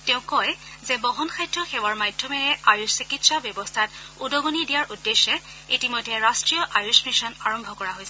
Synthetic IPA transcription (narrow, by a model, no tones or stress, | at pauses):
tɛ̃ʊ̃kɔjzɛbɔɦɔnxʰajdʱɔxɛwaɹmajdʱːɔmɛɹɛajussikitsabjɔbɔstʰatudɔɡonidijaɹʔudːeʃːɛ | itimɔjdʱɛɹastɹijɔʔajusmiʃɔnaɹɔmbʱɔkɔɹaɦojsɛ